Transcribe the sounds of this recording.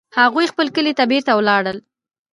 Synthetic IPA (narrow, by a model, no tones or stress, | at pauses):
haɣujxpəlkəlet̪abeɾt̪awlɑɽəl